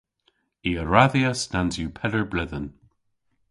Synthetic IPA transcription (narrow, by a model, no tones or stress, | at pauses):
iːəɹaðiəsnanzjuːpʰɛləɹblɪðən